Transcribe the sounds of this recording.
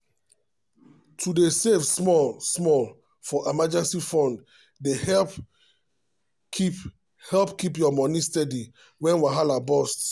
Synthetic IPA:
tʰudesefsmɔlsmɔl | fɔʔemad͡ʒɛ̃nsifɔ̃nd | dehɛ | hɛlpkip̬jɔmɔnistɛdi | wɛ̃nwaɦalabɔst

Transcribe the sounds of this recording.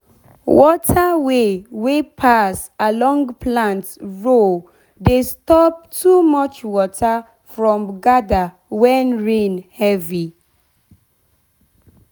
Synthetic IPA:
wɔtʰəwewepʰasalɔ̃ŋɡpʰlãntɹo | destɔp̚tʰumʌt͡ʃwɔtʰə | fɹɔ̃mɡada | wɛnɹẽnhɛvi

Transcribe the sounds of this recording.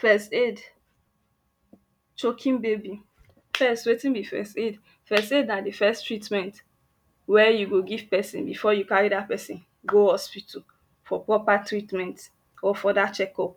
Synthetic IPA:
fɛsted | t͡ʃokʰĩnbebi | fɛstwetĩnbifɛ̰sted | fɛstednadefɛstɹitmɛ̃nt | wɛjuɡoɡiv̥pɛsḭ̃nbifɔjukaɹidat̚pɛsĩn | ɡohɔspitɔ | fɔpɹɔpatɹitmɛ̃nt | ɔfɔdat͡ʃɛkɔp

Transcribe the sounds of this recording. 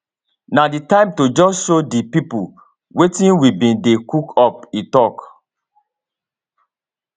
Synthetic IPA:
naditãɪ̃mtod͡ʒɔsʃodipipu | wetĩnwibĩndekukʰɔp̚itɔk

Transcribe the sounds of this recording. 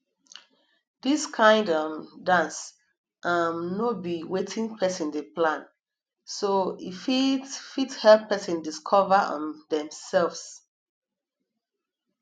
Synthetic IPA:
diskʰãɪ̃ndamdãns | ʔamnobiwetʰĩŋpʰɛsĩndeplãn | soḭfifithɛlpʰːɛsĩndiskʰɔvəɔ̰̃ndɛ̃msɛlvs

